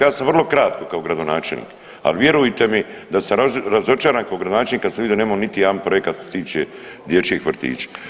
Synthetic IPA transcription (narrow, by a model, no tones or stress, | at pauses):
jaːsamʋrlˠo̞kɾaːt̪ko̞kaoɡɾad̪o̞naːt͡ʃelnḭːk | a̰lʋje̞ɾujit̪e̞mid̪asamaɾazo̞t͡ʃaːɾaːnkaoɡɾad̪onaːt͡ʃelnikasamʋid̪ioneːmaonit̪ijaanpɾo̞jekat̪skoset̪iːt͡ʃe | d̪jet͡ʃiexʋr̩t̪ḭːt͡ʃḁ